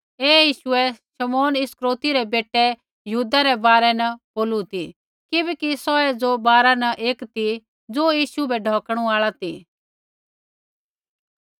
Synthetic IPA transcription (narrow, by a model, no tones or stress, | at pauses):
eːjiːʃʊɛʃɐmɔːnɪskɾoːt̪iɾɛbeːʈɛ | jəɦuːd̪aɾɛbaːɾɛnɐboːlut̪i | kɪbɛkisɔɛd͡zobaːɾanɐʔeːkt̪i | d͡zoːjiːʃubɛɖʱɔːkɽ̃ũaːɭat̪i